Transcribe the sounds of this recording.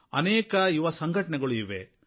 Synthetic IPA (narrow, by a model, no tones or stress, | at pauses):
ɐnɛːkɐiʋɐsɐŋɡʱɐʈɐɳɛɡɐɭuiʋḛ